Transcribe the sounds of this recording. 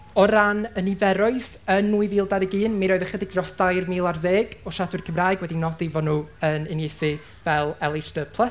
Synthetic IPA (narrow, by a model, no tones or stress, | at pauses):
ɔɾanənivɛɾʊɨθ | ənːuːɨviːlˠdaðiɡɨːnmiɾoːɨðəχədɪɡ̚drɔsd̥ajrmiːlˠarðeːɡɔʃadwɨrkʰəmraːɨɡwɛdinɔdivɔnuːənɪnjejθɨ | vɛlˠɛlˠɪsdəpʰlˠəs